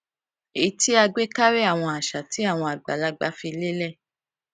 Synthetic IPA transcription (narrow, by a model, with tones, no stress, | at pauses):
e˨˦ti˦a˧ɡ͡be˦ka˦ɾe˦a˦˨w̃ɔ̃˧a˨ʃa˨ti˨˦a˦˨w̃ɔ̃˧a˨ɡ͡ba˨la˧˦ɡ͡ba˧˦fi˧le˦lɛ˦˨